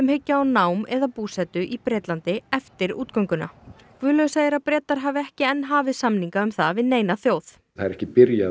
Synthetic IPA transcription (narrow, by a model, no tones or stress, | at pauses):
ɛmhecːaawnawmɛðapuːsɛt̪ʏʔipɾɛːt̪lant̪ɪɛft̪ɪɾṵːt̪kɔŋkʏna̰ | kʰvʏːlœɣʏsaːjɪɾaðpɾɛːt̪aɾ̥ɦaːvɪɛhcɪɛnːɦaːvɪðsamniŋkaʏmθavɪðneːjnaθjoːwθ | aðɛɾɛhcɪpɪɾja